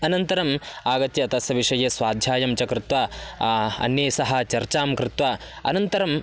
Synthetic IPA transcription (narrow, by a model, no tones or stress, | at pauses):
ɐnɐnt̪ɐɾɐmaːɡɐt̪jɐt̪ɐsɐʋiʂɐjesʋaːd̪ʱjaːjɐmt͡ʃɐkɾɪt̪ʋaː | ɐ̰njeːsɐɦɐ̆t͡ʃɐɾt͡ʃaːmkɾɪt̪ʋaː | ɐ̰nɐnt̪ɐɾɐm